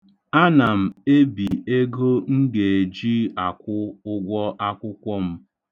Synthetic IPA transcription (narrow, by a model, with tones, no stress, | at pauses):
a˦na˨m̩˨e˦bi˨e˦ɡo˦ŋ̩˦ɡe˨e˨d͡ʒi˦a˨kʷʊ˦ʊ˦ɡʷɔ˦ʔa˦kʷʊ˦kʷɔ˦m̩˦